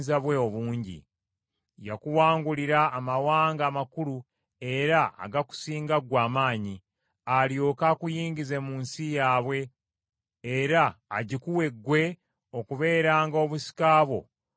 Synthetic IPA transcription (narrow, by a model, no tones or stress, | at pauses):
zaβwe̞oβuːɲɟḭ | jakuwaːŋɡuliɾaːmawaːŋɡaːmakulu | e̞ɾaa̰ɡaku̥siːŋɡaɡwaːmaːɲi | aljo̞ːkakujiːɲɟize̞muːnsijaːβwe̞ː | ɾaːɟikuwe̞ɡːwe̞ | okuβe̞ːɾaːŋɡo̞βusi̥kaːβwo̞